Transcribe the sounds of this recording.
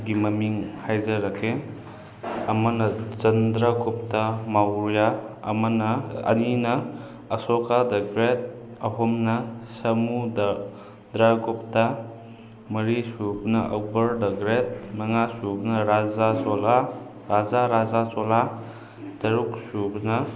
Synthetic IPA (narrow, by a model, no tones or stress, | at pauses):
ɡimɐmiŋhajzɐɾɐkʰe | ɐmɐnɐt͡ʃɐndɾɐɡup̚tɐmaɾjaɐmɐnɐɐ̰ninɐː | sokadɐɡɾet̚ | ɐɦomnɐsɐmudɐ | dɾaɡup̚tɐ | mɐɾisubnɐʔɐw̚bɐɾdɐɡɾet̚mɐŋasubnɐɾazaɔla | ɾazaɾazat͡ʃɔla | d̥ɐɾuk̚subnɐ